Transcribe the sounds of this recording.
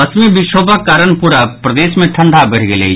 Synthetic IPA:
ɐsmẽbɪʃoːbʱakːaːɾəɳpuɾapɾɐd̪eːʃmẽʈʰɐ̃ɳɖʱabɐɽɡelḛ

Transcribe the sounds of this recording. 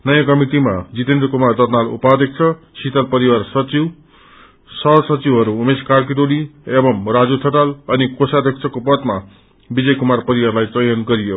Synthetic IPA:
nʌjãkʌmiʈimad͡zit̪end̪ɾʌkumard̪ʌrnalṵpad̪ʌk̚t͡sʰʌ | sit̪alpʌɾiwarsʌt͡siw | sʌsʌt͡siwɦʌɾuːmeskark̬iʈoliebʌmrad͡zut̪ʰʌʈalʌnikosad̪ʱʌk̚t͡sʰʌkopʌt̪ma | bid͡zʌjkumarpʌɾiwarlajt͡sʌjʌnɡʌɾijo

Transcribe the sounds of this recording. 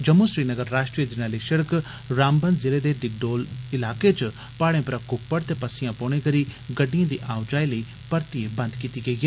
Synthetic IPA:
d͡ʒəmːuʃɾiːnəɡəɾːaːʃʈɾijəd͡ʒənaːliːʃəɽk | ɾaːmbənd̪zɪleːd̪eɖɪɡ̚ɖoːlɪlaːket͡ʃ | paːɽẽpɾakʊpːəɽt̪eːpəsɪjãpoːɽ̃ẽkəɾiːɡəɖːijãːd̪iːʔaːʊd͡ʒaːiləiː | pəɾt̪iebɐnd̪kiːt̪iːɡɐiɡeː

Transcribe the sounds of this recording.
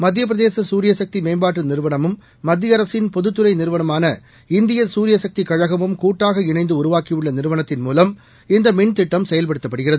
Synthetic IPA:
mɐd̪ːjɐp̬ɪɾɐðeːsɐsuːɾɪjɐsɐk̚t̪imeːmbaːʈrɯnɪɾɯʋɐɳɐmɯmː | ɐd̪ːɪjɐɾɐsɪnpɔðɯt̪ːɯɾɐɪnɪɾɯʋɐɳɐmaːnɐ | ɪnd̪ɪjɐsuːɾɪjɐsɐk̚t̪ikɐɻɐɣɐmɯmkuːʈːaːɣɐɪnɐɪnd̪ɯʊɾʊʋaːkɪjɯɭːɐnɪɾɯʋɐɳɐt̪ːɪnmuːlɐm | ɪnd̪ɐmɛɳt̪ɪʈːɐmsɛjɐlpɐɽɯt̪ːɐpːɐɽɯɣɪrɐðɯ

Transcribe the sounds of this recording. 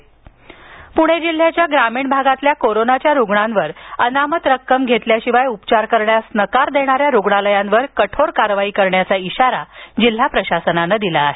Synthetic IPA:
puɽ̤̃ed͡ʑil̤ːjat͡ɕjaɡɾamiːɳbʱaɡat̪ljakoɾonat͡ɕjaɾuɡɳãnʋəɾənamət̪ɾəkːəmɡʱet̪ljaɕiʋajupt͡ɕaɾkəɾɳjasnəkaɾd̪eɽ̃aɾjaɾuɡɳaləjãnʋəɾkəʈʰoɾkaɾʋaiːkəɾɳjat͡saiɕaɾad͡ʑil̤ːapɾəɕasənanəd̪ilaːɦe

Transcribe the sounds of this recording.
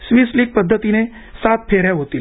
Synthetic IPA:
sʋiːslik̚pəd̪ʱːət̪ine | sat̪̚pʰeɾjaɦot̪iːl

